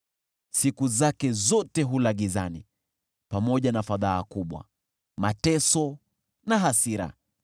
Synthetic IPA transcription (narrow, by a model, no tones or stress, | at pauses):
sikuzakɛzɔtɛɦulaɠizani | pamɔʄanafaðaːkuɓwa̰ | matɛsɔ | naɦasiɾa̰